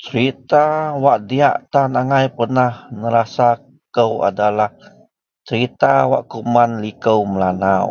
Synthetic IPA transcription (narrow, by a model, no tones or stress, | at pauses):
t͡ʃəɾit̪awaʔdia̰ʔt̪anaŋajpərnahnəɾasa | kəwa̰dalah | t͡ʃəɾit̪awa̰ʔkumanlikəwməlanaw